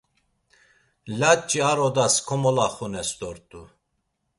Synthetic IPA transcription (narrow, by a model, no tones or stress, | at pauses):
lat͡ʃʼiaɾɔd̪askʰɔmɔlaχunɛst̪ɔɾt̪ʼu